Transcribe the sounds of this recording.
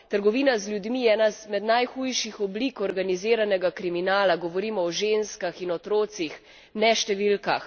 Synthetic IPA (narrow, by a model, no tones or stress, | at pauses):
t̪əɾɡɔʋiːnazlʲjud̪mijɛːnazmɛd̪najxujʃixɔblikɔɾɡaniziːɾanɛɡakɾiminaːlaɡɔʋɔɾiːmɔɔʒenskaxinɔt̪ɾoːt̪six | nɛʃt̪ɛʋilka̰x